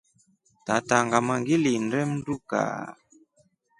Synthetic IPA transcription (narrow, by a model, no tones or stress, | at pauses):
tataŋɡamaŋɡilindɛm̩duka̰